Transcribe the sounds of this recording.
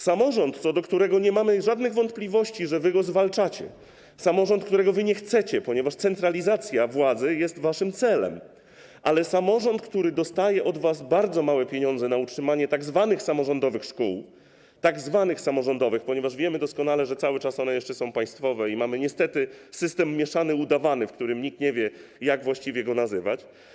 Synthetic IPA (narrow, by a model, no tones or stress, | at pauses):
samɔʐɔnt̪t̪sɔd̪ɔkt̪uɾɛɡɔɲɛmamɘʐad̪nɘɣvɔnt̪̚plʲivɔɕt͡ɕiʐɛvɘɡɔzvalt͡ʂat͡ɕɛ̰ | samɔʐɔ̃nt̪̚kt̪uɾɛɡɔvɘɲɛxt̪sɛt͡ɕɛpɔɲɛvaʂt̪sɛnt̪ɾalʲizat̪sʲjavwad̪zɘjɛst̪vaʂɘmt̪sɛlɛ̰m | ʔalɛsamɔʐɔnt̪kt̪uɾɘd̪ɔst̪ajɛʔɔd̪vasbaɾd̪zɔmawɛpʲjeɲɔnzɛnautʂɘmaɲɛt̪aɡzvanɘxsamɔʐɔnd̪ɔvɘxʂkṵw | t̪aɡzvanɘxsamɔʐɔnd̪ɔvɘxpɔɲɛvaʐvʲjɛmɘd̪ɔskɔnalɛʐɛt̪sawɘt͡ʂasɔnɛjɛʂt͡ʂɛsɔ̃w̃paj̃st̪fɔvɛimamɘɲɛst̪ɛt̪ɘsɘst̪ɛmːjɛʂanɘud̪avanɘfkt̪uɾɘmɲik̚t̪ɲɛvʲjɛjaɡvwaɕt͡ɕivʲjɛɡɔnazɘvat͡ɕ